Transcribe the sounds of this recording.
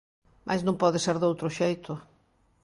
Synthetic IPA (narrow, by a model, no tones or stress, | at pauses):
mʔa̰jznõmpɔðɪseɾðowt̪ɾʊʃejt̪ʰʊ